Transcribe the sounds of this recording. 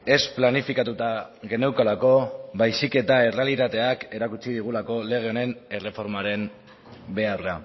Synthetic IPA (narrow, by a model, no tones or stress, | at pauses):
e̞splanifikat̪ut̪a | ɣe̞newkolako̞βajsike̞t̪ae̞re̞alit̪at̪e̞ake̞ɾakut͡ʃiðiɣ̞ulako̞le̞ɣ̞e̞o̞ne̞ne̞re̞fo̞ɾmaɾe̞m | be̞arra